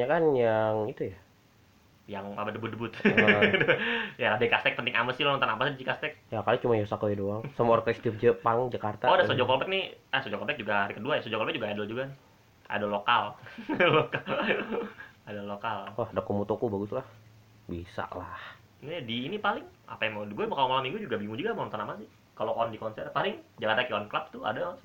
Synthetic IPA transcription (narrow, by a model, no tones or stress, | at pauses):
ɲakanjaŋit̪uja | jaŋabadəbʊt̪̚dəbʊt̪̚djaɾabekast̪ɛk̚t̪ənɪkaməsiloənt̪anapasidid͡ʒikast̪ɛk̚jakalit͡ʃumajosakojadoaŋsamɔrkst̪if̚d͡ʒəpaŋd͡ʒakart̪aodasod͡ʒɔkolbɛk̚nɪhasod͡ʒɔkolbɛk̚d͡ʒuɡahaɾikəduajasod͡ʒɔkɔlbɛk̚d͡ʒuɡaadəld͡ʒuɡanɪh | a̰dalokalloka | adalokalahdakumut̪okubaɡut̪lah | bisa̰ʔlah | nɛdiːnipalɪŋa̰pajaŋmɡuɛmkalomalamːiŋɡud͡ʒuɡabiŋud͡ʒuɡamanɔnt̪ɔnamasɪh | kaloʔɔndikɔnsɛrpalɪŋd͡ʒakart̪akiɔnklap̚t̪ʊa̰da